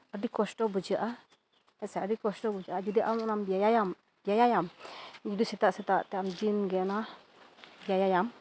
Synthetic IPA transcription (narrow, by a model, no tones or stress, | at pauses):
adikɔsʈɔbud͡ʒaʔa | ɛsɛadikɔsʈɔbud͡ʒaʔad͡ʒud̪iʔawnɔnambijajajam | biajajamd͡ʒudisɛt̪aʔsɛt̪aʔt̪ɛamd͡ʒinɡɛna | bijajajam